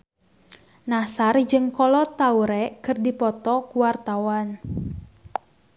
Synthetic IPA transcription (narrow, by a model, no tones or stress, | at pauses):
nasard͡ʒɨŋkɔlɔt̪auɾɛkɨrdipɔt̪ɔkuwart̪awan